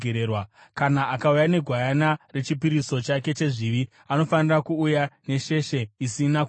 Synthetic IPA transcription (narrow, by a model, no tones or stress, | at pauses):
eɾewakanaakaujane̞ɡʱwajanare̞t͡ʃipiɾiso̞t͡ʃake̞t͡ʃe̞ʐiʋi | ano̞fanirakuːjane̞ʃe̞ʃe̞isinak